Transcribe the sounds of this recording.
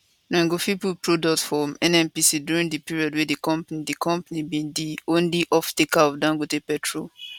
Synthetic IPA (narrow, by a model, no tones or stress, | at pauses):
nɛ̃ŋɡofipupɹodɔk̚tfɔmɛ̃nɛ̃mpisidjuɹĩŋdipiɹiɔdwɛdikɔ̃mpnidikʰɔ̃mpanibĩndiõnliʔɔftekaɔfdãŋɡotepɛtʰɹo